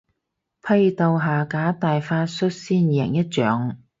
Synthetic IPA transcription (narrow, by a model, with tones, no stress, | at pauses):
pʰɐ˧jt̪o˨˧wɦaː˨˩kaː˨˥t̪aː˨jfaː˧˥t̚sɵ˥t̚siː˥njɛ̰˨˩ŋjɐ˥t̚t͡ʃœː˨˥ŋ